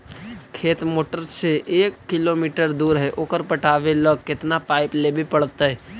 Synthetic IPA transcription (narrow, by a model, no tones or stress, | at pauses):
kʰeːt̪moːʈəɾseʔeːkːɪloːmiːʈəɾd̪uːɾɦɛʔoːkəɾpəʈaːʋeləkkːɪt̪napaːɪplebʱipəɽ̤t̪aɦɛː